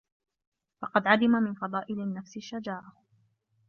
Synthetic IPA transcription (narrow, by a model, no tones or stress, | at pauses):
fɑqɑd̪ʕad̪ɪmamɪnfɑðˤɑːʔɪlɪnːafsɪʃːad͡ʒaːʔa